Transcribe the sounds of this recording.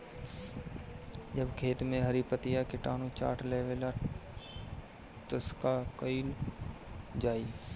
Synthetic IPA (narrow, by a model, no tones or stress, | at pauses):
d͡ʒɐbkʰeːt̪mẽɦɐɾipət̪ijakɪʈaːnũt͡ʃa̰ːʈleːʋela | t̪ʊskakəiːl | d͡ʒaːiː